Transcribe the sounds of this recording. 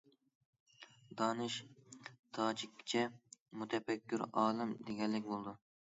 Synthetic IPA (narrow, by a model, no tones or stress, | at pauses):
d̪ɑːnɨʃ | t̪ʰɑːd͡ʒikʲːt͡ʃʰɛmut̪ʰɛfɛkʲʰːyɾɑːlˠɪmd̪eɡʲɛlːɪkʲbolˠd̪u